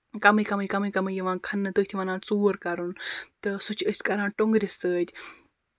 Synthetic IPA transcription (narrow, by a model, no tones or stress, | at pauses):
kɐmɨjkɐmɨjkɐmɨjkɐmɨjiʋãːnkʰɐnːɨt̪ɨːt̪ʰiʋɐnaːnt͡suːɾkɐɾunt̪ɨsut͡ʃʰəsʲkɐɾãːnʈoŋɡɾʲisəːd̪ʲ